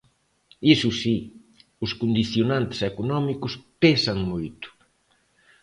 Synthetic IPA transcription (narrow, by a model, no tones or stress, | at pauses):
isʊsi | ʊskond̪iθjonãnt̪ɪ̥sɛkonɔmikʊspesɐŋmojt̪ʊ̥